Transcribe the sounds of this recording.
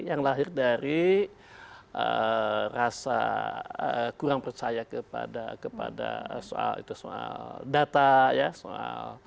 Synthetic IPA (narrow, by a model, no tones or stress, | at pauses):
jaŋlaɦɪrdaɾi | ʔərasa̰əkuɾaŋpərt͡ʃajakəpa̰dakəpa̰da̰soalḭt̪usoaldat̪ajasoa̰l